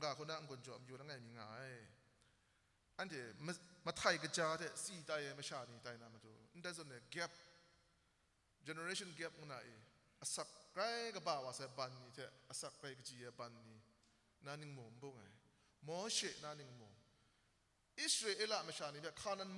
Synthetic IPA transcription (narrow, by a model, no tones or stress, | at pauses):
ŋkaːkʰɔnaʔŋ̩kɔnt͡ʃɔʔmjunaŋajmiŋa̰j | ʔantʰɛmmətʰajkət͡ʃat̪ʰɛʔsitajɛməʃaːnitajnamatundazɔnɛɡɛp̚ | d͡ʒɛnəɾɛsɔnɡɛp̚ŋɔna̰ʔi | əsak̚ːɾajkəbaːwasɛbanːit̪ʰɛʔəsakːajkət͡ʃiɛbanːi | naniŋmom̩boŋa̰j | mɔʃɛʔnaniŋmo | ʔisɾelʔelaməʃaːnipʰɛkʰanan